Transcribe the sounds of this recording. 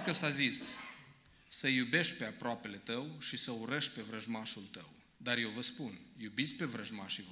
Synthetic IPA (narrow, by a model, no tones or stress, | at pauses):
kəsazis | əjube̞ʃt̪̚ʲpe̞apɾoape̞le̞t̪əwʃisəuɾəʃt̪̚ʲpe̞vɾəʒmaʃult̪ə̰w | d̪arje̞wvəspunjubit̪sʲpe̞vɾəʒmaʃiv